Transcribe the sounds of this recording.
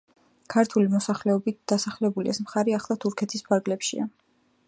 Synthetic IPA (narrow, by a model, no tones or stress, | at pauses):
kʰaɾt̪ʰulimɔsaχlɛɔbit̪̚d̪̥asaχlɛbuliʔɛsmχaɾiaχlˠat̪ʰuɾkʰɛt̪ʰispʰaɾɡlɛpʃḭa